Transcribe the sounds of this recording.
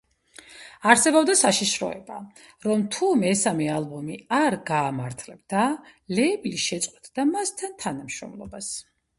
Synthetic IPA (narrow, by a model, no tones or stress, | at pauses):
aɾsɛbɔbd̪asaʃiʃɾɔ̰ɛ̰ba | ɾɔmt̪ʰumɛsamɛalˠbɔmiaɾɡaːmaɾt̪ʰlɛb̚d̪alɛbliʃɛt̪sʼqʼwɛt̪ʰʼd̪amast̪ʰant̪ʰanamʃɾɔ̰mlˠɔ̰bas